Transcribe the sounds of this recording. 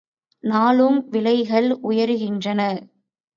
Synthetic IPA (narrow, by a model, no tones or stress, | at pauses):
naːlɯmʋɪlɐɪɣɐɭʔʊjɐɾɯɣɪndrɐnɐ